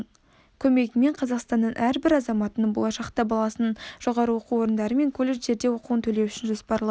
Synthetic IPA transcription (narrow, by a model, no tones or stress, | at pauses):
kʲʰɵme̞ɡʲɪme̞ɴqʰɑzɑqst̪ɑnːəɴʔæɾbɪɾɑzɑmɑt̪ənəɴbo̞lˠɑʃɑqt̪ɑbɑlˠɑsənəɴʒ̥o̞ʁɑɾəwo̞quwo̞ɾənd̪ɑɾəme̞ŋkʰolːeʒe̞ɾd̪e̞wo̞quwənt̪ʰɵle̞wʏʃɪnʒo̞spɑɾlˠɑ